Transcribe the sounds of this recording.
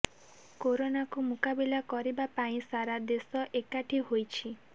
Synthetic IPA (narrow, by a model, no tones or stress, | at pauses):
koɾonakumukabilakɔɾibapaĩsaɾad̪esɔʔekaʈʰiɦojt͡ʃʰi